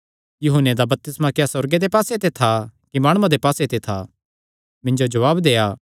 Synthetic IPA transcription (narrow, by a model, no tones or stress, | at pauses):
jʊɦʊnːed̪abɐp̚t̪ɪsmãkejasɔɾɡed̪epaːset̪et̪ʰakimaːɽ̃ʊãd̪epaːset̪et̪ʰa | mɪ̃ɲd͡ʒod͡ʒɐʋaːbd̪eːaː